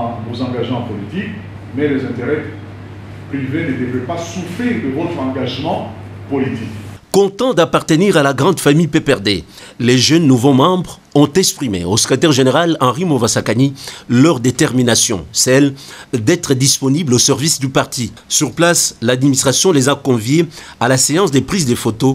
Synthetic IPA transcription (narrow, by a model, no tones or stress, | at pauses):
vozɑ̃ɡaʒmɑ̃pɔlit̪ik | mɛlezɛ̃t̪eʁɛ | pχivened̪evɛpasufid̪əʁoldɑ̃ɡaʒmɑ̃pɔlit̪ikkɔ̃t̪ɑ̃d̪apaʁt̪əniʁalaɡʁɑ̃d̪famijpepɛʁd̪e | leʒœnːuvomɑ̃bʁ | ɔ̃t̪ɛkspχimḛosə̥kχet̪ɛʁʒeneʁalɑ̃ʁimovasakanilœʁd̪et̪ɛʁminasjɔ̰̃sɛld̪ɛt̪χəd̪ispɔniblosɛʁvisd̪ypaʁt̪i | syʁplaslad̪minist̪χasjɔ̃lezakɔ̃vjealaseɑ̃sd̪epχizd̪efot̪o